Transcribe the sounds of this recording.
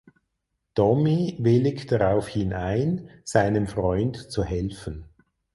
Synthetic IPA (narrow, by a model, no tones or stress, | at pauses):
tɔmivɪlɪkd̥aʁaʊfhɪnʔaɪnz̥aɪnənfʁɔʏntt͡suhɛlfən